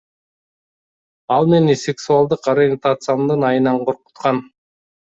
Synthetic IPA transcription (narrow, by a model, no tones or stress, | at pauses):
ɑlˠmenisʲeksualˠd̪ɯqaɾɪjent̪at̪sɨamd̪ɯnɑjɯnɑɴqʰo̞ɾqu̥t̪qɑn